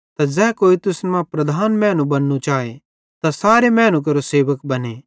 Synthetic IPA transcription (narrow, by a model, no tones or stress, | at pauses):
t̪ad͡ʒɛːkoːit̪ʊsnmãpɾɐd̪ʱaːnmɛ̃ːnũbɐnːut͡ʃaːe | t̪asaːɾemɛ̃ːnũk̬ɐɾoseːʋəkbɐne